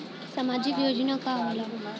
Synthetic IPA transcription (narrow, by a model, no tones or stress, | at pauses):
samaːd͡ʒɪkjoːd͡ʒnakaɦola